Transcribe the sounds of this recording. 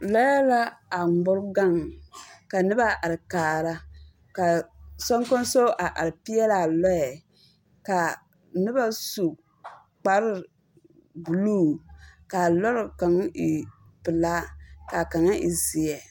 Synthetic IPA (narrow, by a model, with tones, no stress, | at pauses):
lɔ˦ja˦la˦a˨ŋʊ˦ɾɡa˦ŋka˨nɨ˦ba˦˨ʔa˨ɾɪ˨kaː˨ɾa˦ | ka˨sɔ˦ŋko˦n˦so˦ʔa˨ʔa˨ɾɨ˨pi˦jɛ˦la˦˨lɔ˦jɛ˨ | ka˨ | nɨ˦ba˦su˨ | k͡pa˨ɾɪ˦ | bu˨luː˦ka˨lɔ˦ɾka˨ŋ˦i˨ | pɨ˨laː˦ka˨ka˨ŋa˦ʔḭ˨zi˨jɛ˨